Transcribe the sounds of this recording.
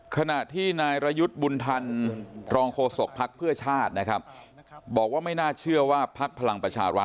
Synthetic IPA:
kʰa˧na˨˩ʔt̪ʰiː˥˩naː˧jɾa˧ju˦˥t̪̚bu˧nt̪ʰa˧nɾɔː˧ŋkʰoː˧so˨˩k̚pʰːa˦˥k̚pʰɯ˥˩ɐt͡ɕʰaː˥˩t̪̚na˦˥kʰa˦˥p̚ | bɔː˨˩k̚waː˥˩ma˥˩jnaː˥˩t͡ɕʰɯ˥˩ɐwaː˥˩pʰa˦˥k̚pʰa˧la˧ŋpɾa˧t͡ɕʰa̰ː˧ɾa̰˦˥t̪̚

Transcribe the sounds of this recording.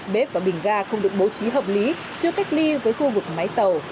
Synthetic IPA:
ɓe˦˥p̚vaː˨˩ɓï˨˩ŋ̟ɣaː˧xə˧wŋ͡mɗɨ˨˩ək̚ɓo˨˦t͡ɕi˨˦ɦəː˨˩p̚li˨˦ | t͡ɕɨ˧əka˦˥jk̟̚li˧vəː˨˦jxu˧vɨ˨˩k̚ma˨˦jt̪ə˨˩w

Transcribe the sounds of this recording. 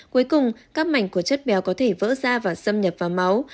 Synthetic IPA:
ku˨˦jkʊ˨˩ŋ͡mkaː˦˥k̚ma˨˧˩jŋ̟ku˧˩ət͡ɕə˦˥t̚ɓɛ˨˦wkɔ˨˦t̪ʰe˧˩və̰ː˧˥zaː˧vaː˨˩sə˧mɲə˨˩p̚vaː˨˩ma˨˦w

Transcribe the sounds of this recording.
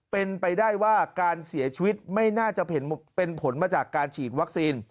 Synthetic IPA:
pe˧npa˧jdaː˥˩jwaː˥˩kaː˧nsi˩˦ɐt͡ɕʰi˧wi˦˥t̪̚ma˥˩jnaː˥˩t͡ɕa˨˩ʔpʰe˩˦npe˧npʰo˩˦nmaː˧t͡ɕaː˨˩kːaː˧nt͡ɕʰiː˨˩t̪̚wa˦˥k̚siː˧n

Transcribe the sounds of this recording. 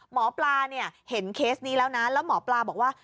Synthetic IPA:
mɔː˩˦plaː˧ni˥˩ɐhe˩˦nkʰeː˦˥sniː˦˥lɛː˦˥wna˦˥lɛː˦˥wmɔː˩˦plaː˧bɔː˨˩k̚waː˥˩

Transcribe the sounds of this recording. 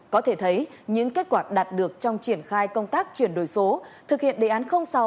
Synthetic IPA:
kɔ˨˦t̪ʰe˧˩t̪ʰə˨˦jɲɨ̰˧˥ŋke˦˥t̚kwaː˧˩ɗaː˨˩t̚ɗɨ˨˩ək̚t͡ɕɔ˧wŋ͡mt͡ɕi˧˩ənxaː˧jkə˧wŋ͡mt̪aː˦˥k̚t͡ɕwi˧˩ənɗo˧˩jso˨˦t̪ʰɨ˨˩k̚hḭ˧˨ənɗḛ˧˨ʔaː˨˦nxə˧wŋ͡msa˨˧˦

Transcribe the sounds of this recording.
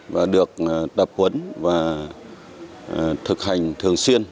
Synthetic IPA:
vaː˨˩ɗɨ˨˩ək̚t̪ə˨˩p̚hwə˨˦nvaː˨˩ | t̪ʰɨ˨˩k̚ha˨˩jŋ̟t̪ʰɨ˨˩əŋswi˧ən

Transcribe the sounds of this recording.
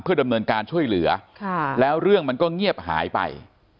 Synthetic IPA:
pʰɯ˥˩ɐda˧mnɤː˧nkaː˧nt͡ɕʰu˥˩əjlɯ˩˦ɐkʰa˥˩lɛː˦˥wɾɯ˥˩əŋma˧nkɔː˥˩ŋi˥˩əp̚ha̰ː˩˦jpa̰˧j

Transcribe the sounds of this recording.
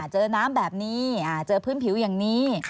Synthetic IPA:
t͡ɕɤː˧naː˦˥mbɛː˨˩p̚niː˦˥ʔaː˨˩t̪̚t͡ɕɤː˧pʰɯː˦˥˨npʰi˩˦wja˨˩ŋniː˦˥

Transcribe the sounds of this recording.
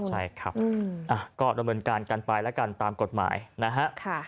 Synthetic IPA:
t͡ɕʰa˥˩jkʰɾa˦˥p̚ɯ˧ʔa˨˩kɔː˥˩da˧mnɤː˧nkaː˧nka˧npa˧jlɛ˦˥ka˧nt̪aː˧mko˨˩t̪̚ma̰ː˩˦jna˦˥ɦa˦˥ʔkʰa˥˩

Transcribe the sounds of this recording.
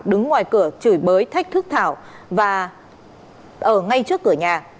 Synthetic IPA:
ɗɨ˨˦ŋːwaː˨˩jkɨ˧˩ət͡ɕɨ˧˩jɓəː˨˦jt̪ʰa˦˥k̟̚t̪ʰɨ˦˥k̚t̪ʰaː˧˩w | vaː˨˩ | ʔəː˧˩ŋa˧jt͡ɕɨ˦˥əkːɨ˧˩əɲaː˨˩

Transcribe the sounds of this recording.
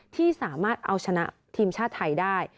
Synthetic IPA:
t̪ʰiː˥˩saː˩˦maː˥˩t̪̚ʔa˧wt͡ɕʰa˧na̰˦˥ʔ | t̪ʰiː˧mt͡ɕʰaː˥˩t̪ʰːa˧jdaː˥˩j

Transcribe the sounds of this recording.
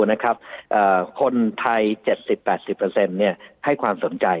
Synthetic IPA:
na˦˥kʰɾa˦˥p̚ʔəː˨˩kʰo˧nt̪ʰa˧jt͡ɕe˨˩t̪̚si˨˩pːɛː˨˩t̪̚si˨˩pːɤː˧se˧nːi˥˩ɐha˥˩jkʰwaː˧mso˩˦nt͡ɕa˧j

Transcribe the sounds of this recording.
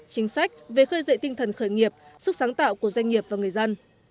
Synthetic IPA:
t͡ɕï˨˦ŋ̟sa˦˥jk̟̚ve˨˩xəː˧jzə̰˧˨jt̪ï˧ŋ̟t̪ʰə˨˩nxəː˧˩jŋi˨˩əp̚sɨ˦˥k̚saː˨˦ŋt̪a̰ː˧˨wku˧˩əzwa˧jŋ̟ŋi˨˩əp̚vaː˨˩ŋɨ˨˩əjzə˧n

